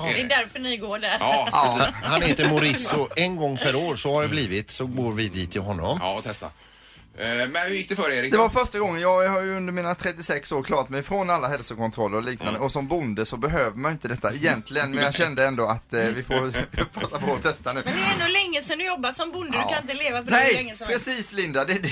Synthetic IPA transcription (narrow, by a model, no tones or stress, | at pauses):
d̪ɛd̪æɾfœnɪɡoːɖæɾ | hanheːt̪əmʊɾɪsːʊʔɛnɡɔŋːpʰæɾoːɾsɔhaɖɛbliːvɪt̪sɔɡoːɾvɪd̪iːt̪ʰːɪlɦɔnːɔ̰mt̪ʰɛst̪a̰ | mɛnhʉjɪk̚d̪ɛfœːɾeɾɪd̪ɛɛvaɾfœʂʈaɡɔŋːənjɑːɡhaɾjɵɵnd̪əɾmiːnat̪ʰɾɛt̪ːɪsɛksoːɾkʰlɑːɾat̪mɛjfɾɔnalːaɦɛlsʊkʰɔnt̪ʰɾɔlːəɾɔliːknand̪əɔsɔmbʊnd̪əsɔbɛɦøːvəmanɪnt̪əd̪ɛt̪ːaɛjɛnt̪ʰlɪɡənmɛnjaɕɛnd̪əɛnd̪ɔat̪vɪfoɾpʰɾɑːt̪apʰɔːt̪ʰɛst̪anʉ̟ːnd̪ɛɛnd̪olɛŋːəsɛnd̪ɵjɔbːat̪sɔmbʊnd̪əd̪kʰanɪnt̪əleːvapʰɔnɛjpʰɾɛsiːslɪnd̪ad̪ɛ